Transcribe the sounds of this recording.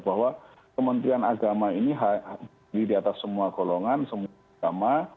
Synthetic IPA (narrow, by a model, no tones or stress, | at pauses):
b̥aɦwa | kəmənt̪ɾianaɡamainiɦa | didiat̪asːəmuaɡ̥oloŋansəmu | ɡama